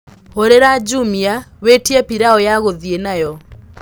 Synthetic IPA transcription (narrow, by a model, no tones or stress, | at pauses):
oɾeɾad͡ʒumiawetiapiɾaɔjaɣoðienajɔ